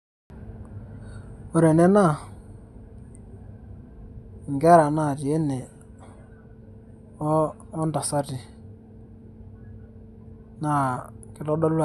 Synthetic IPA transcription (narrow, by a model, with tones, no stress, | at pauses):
o˨ɾɛ˨nɛ˦na˦˨ | ŋɡɛ˦ɾa˨na˨ti˨e˦nɛ˨˦ | nda˨sa˦ti˨ | na˨kɪ˦tɔ˦ɗɔ˦la˨